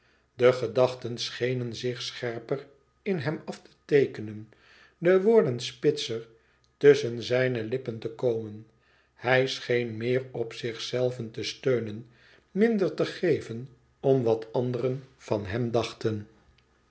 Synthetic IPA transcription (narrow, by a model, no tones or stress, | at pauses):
dəχədɑχtənsχejnənzɪχsχɛɹpər | ɪnɦɛmɑftə̥tejkənən | dəʋʊːɹdənspɪtsəɹ | tɵsənzɛjnəlɪpəntəkowmən | hɛjsχejnmɪːrɔpsɪχsɛlˠvəntəstøɥnən | mɪndəɹtəχejvən | ɔmʋɑtɑnd̪ərənv̥ɑnɦɛmdɑχtən